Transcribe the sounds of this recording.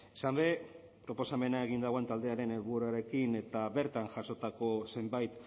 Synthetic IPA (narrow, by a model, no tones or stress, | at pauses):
sambe̞ | pɾo̞po̞same̞naeɣind̪aɣoe̞nt̪ald̪e̞aɾe̞neβuɾaɾe̞kine̞t̪aβe̞ɾt̪anʝaʃo̞t̪ako̞se̞mbajt̪